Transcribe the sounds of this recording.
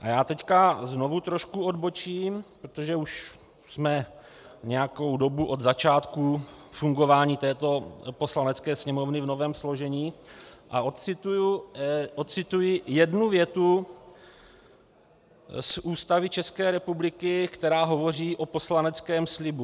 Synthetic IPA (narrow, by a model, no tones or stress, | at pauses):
ʔajaːt̪ɛckazno̞vut̪ɾo̞ʃkuo̞d̪bo̞t͡ʃiːmpɾot̪oʒɛuʃ | smɛ | ɲɛjako̞wdo̞buʔo̞d̪zat͡ʃaːt̪kufuŋɡo̞vaːɲiːt̪ɛːt̪o̞po̞slanɛt͡skɛːsɲɛmo̞vnɪvno̞vɛːmslo̞ʒɛɲiː | ʔa̰ʔot̪t͡sɪt̪ujuʔot̪̚t͡sɪt̪ujɪjɛdnuvjɛt̪u | sʔuːst̪avɪt͡ʃɛskɛːɾɛpublɪkɪkt̪ɛɾaːɦo̞vo̞riːʔo̞po̞slanɛt͡skɛːmslɪbu